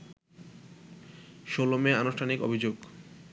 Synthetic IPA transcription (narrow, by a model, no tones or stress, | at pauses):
ʃolomeanoʃʈʰaniko̰bʱid͡ʑoɡ